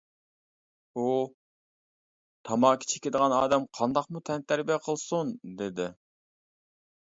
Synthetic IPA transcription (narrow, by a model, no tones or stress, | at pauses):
u | t̪ʰɑmɑːkʲʰi̥t͡ʃʰe̥kʲɪd̪əʁɑnɑːd̪ɛmqʰɑnd̪ɑqmut̪ʰɛnt̪ʰæɾbijɛqʰəlˠsund̪ed̪ɪ